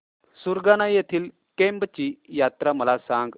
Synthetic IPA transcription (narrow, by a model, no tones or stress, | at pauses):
suɾɡanajet̪ʰiːl | kembt͡ɕiːjat̪ɾaməlasãŋɡ